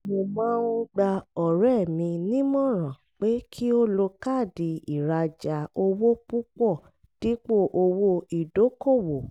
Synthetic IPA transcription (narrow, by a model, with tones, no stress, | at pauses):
mo˧mãː˨˦ũ˧ɡ͡ba˧ɔ˨ɾɛ˦˨mĩ˧nĩ˦mɔ̃˦˨ɾ̃ã˨ | k͡pe˨˦kʰi˦o˦lo˧ka˦˨di˨˧i˨ɾa˧d͡ʒa˨o˧wo˦pu˦k͡pɔ˦˨ | d̥i˦k͡po˦˨ʔo˧wo˦i˨do˨˦ko˦˨wo˨